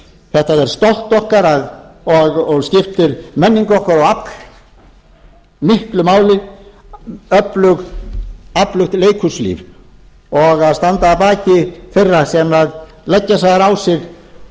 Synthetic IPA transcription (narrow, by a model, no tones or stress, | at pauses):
θɛht̪aðɛɾ̥st̪ɔl̥t̪ɔhkaɾaðɔɣɔɣscɪft̪ɪɾmɛnːiŋkɔhkaɾɔɣap | mɪhklʏmaːwlɪ | œplʏɣ | aplʏxt̪leːjkʰʏslḭːv | ɔɣaðst̪ant̪aːpaːcɪfɪrːasɛmað | lɛcːasaðaɾawsɪɣ